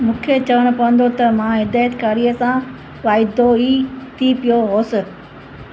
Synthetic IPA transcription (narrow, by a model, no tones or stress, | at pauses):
mũːkʰet͡ɕɐʋəɽ̃ʊ̆pɐʋə̃n̆d̪ot̪ɐmãɦɪd̪aːjət̪kaːɾiəsã | ʋaːɪd̪oit̪ʰipijoɦoːsɪ